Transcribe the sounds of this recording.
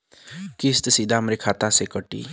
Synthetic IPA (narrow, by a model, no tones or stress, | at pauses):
kist̪sid̪amɾekʰat̪asekəʈḭ